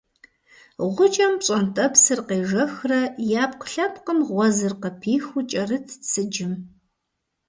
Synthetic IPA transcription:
ʁʷʊt͡ʃʼɐmɕʼɐntʼɐpsɨrqeːʒɐxrɐjaːpqə̥ɬɐp̚qənʁʷɔzɨrqəpʰiːxʊt͡ʃʼɐrɨtʰt͡sʰɨd͡ʒɪm

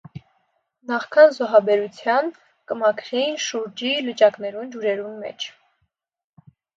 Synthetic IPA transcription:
nɑχkʰɑnzɔɦɑbɛɾut͡sʰjɑn | kəmɑkʰɾɛnʃuɾd͡ʒilət͡ʃɑknɛɾund͡ʒuɾɛɾunmɛ̰t͡ʃʰ

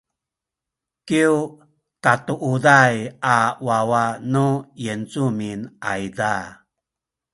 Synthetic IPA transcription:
kiw | tatuʔudajawawanujənt͡suminʔa̰jda

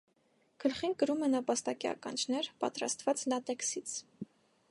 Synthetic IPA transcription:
kʰəlχinkəɾumɛnəpɑst̪ɑkiɑ̰kɑ̰nt͡ʃʰnɛɾpɑ̰t̪ɾɑ̰st̪vɑt͡slɑt̪ɛksit͡sʰ

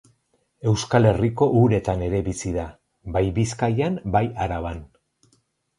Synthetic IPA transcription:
e̞wskale̞riko̞ʔuɾe̞t̪ane̞ɾe̞βisiða | bajbiskajanbajaɾaβan

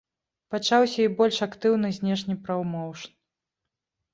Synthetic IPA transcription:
pat͡ʂawsʲɐibɔlʲʂakt̪ɨwnɨzʲnʲɛʂnʲipɾɐwmɔwʂn

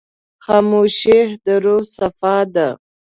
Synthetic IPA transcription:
xɑːmuʃehd̪əɾosafɑd̪a

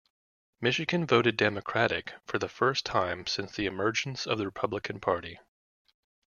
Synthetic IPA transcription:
mɪʃɨɡɨ̃nvoʊɾɨdɛmɨkʰɹ̥æɾɪ̰kfə˞ðəfɜ˞stʰãɪ̃msɪ̃nsðiɨmɜ˞d͡ʒ̃n̩sʌ̰vðɨɹɨpʰʌbləkʰɨ̃npʰɑɹɾi

